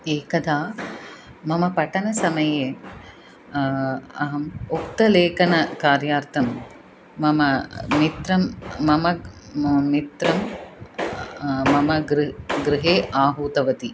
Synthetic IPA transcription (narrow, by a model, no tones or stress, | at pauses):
eːkɐd̪ʱaː | mɐmɐpɐʈɐnɐsɐmɐjeː | ɐɦɐmuk̚t̪ɐleːkɐnɐkaːɾjaːɾt̪ʰɐmː | ɐmɐmit̪ɾɐmːɐmɐ | mit̪ɾɐm | ɐmɐɡɾɡɾɪɦeːʔaːɦuːt̪ɐʋɐt̪i